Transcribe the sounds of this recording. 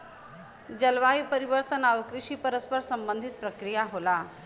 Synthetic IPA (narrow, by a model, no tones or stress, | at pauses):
d͡ʑəlʋaipəɾiʋəɾt̪ənaʋəkɾiʂiːpəɾəspəɾsəmbənd̪ʱit̪̚pɾəkɾijaɦola